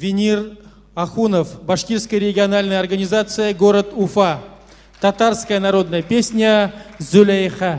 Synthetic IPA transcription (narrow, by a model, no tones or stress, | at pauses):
vʲɪnʲiɾ | aχunofbaʂkʲiɾskəjɾʲɪɡʲiɐnalʲnəjɐrɡɐnʲizat̪sɨjəɡoɾət̪ʊfa | t̪at̪arskəjənaɾo̞d̪nɐjɐpʲesʲnʲɐzʉlʲejχa